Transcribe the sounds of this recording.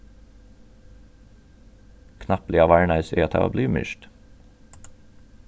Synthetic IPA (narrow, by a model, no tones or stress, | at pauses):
kʰnɑpliːɑːʋæɹɳɑʏseːt̪ʰɑ̰ːo̰ːbliːmʏ̰ʃt̪